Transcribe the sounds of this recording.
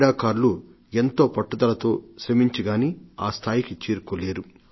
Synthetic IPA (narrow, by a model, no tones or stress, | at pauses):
ɽaːkaːɾlu | e̞nt̪o̞ːpɐʈːud̪ɐlɐt̪o̞ːʃɾɐmiɲt͡ʃiɡaːniaːst̪ʰaːjikit͡ʃiːɾukoleːɾu